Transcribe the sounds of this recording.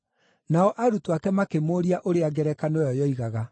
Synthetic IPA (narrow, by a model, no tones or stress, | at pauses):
naɔʔaɾutwakɛmakemoɾiaʔoɾeaɡɛɾɛkanojɔjɔiɣaɣa